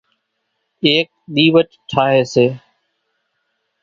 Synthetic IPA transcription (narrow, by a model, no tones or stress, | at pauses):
eːk̚ɗ̪iːʋəʈʈʰaːɦeːseː